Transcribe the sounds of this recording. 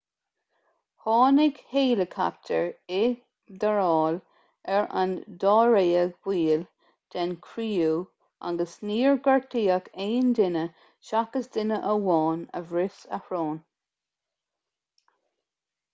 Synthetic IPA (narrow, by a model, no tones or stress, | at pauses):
hɑːnɪɡheːləkʰa̰p̚tʰəɹɪ | d̪əɹɑːl | ɛɹa̰nd̪ɑːɹeːəɡwiːl | d̪̥ɛnkʰɾiːuː | a̰ɡəsniːɹɡaɹtʰiːəkeːnd̪ɪnə | ʃakəsd̪ɪnəʔəwɑːnə̰vɹɪsəhɹoːn